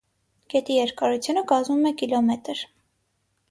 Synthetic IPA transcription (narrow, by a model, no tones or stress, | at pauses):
ɡ̥ɛt̪ijɛɾkɑɾut͡sʰjunəkɑzmumɛkilɔmɛt̪əɾ